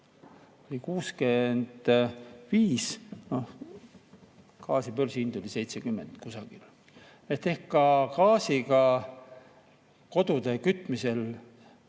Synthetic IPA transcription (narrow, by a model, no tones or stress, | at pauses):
olʲikuːske̞nd̪̥viːsnoh | kɑːsipølsind̪olʲise̞jt̪se̞kymːe̞nd̪̥kusɑɡ̥il | et̪ːe̞hkkːɑkɑːsiɡɑ | ko̞d̪̥ud̪e̞kyt̪ːˑmise̞l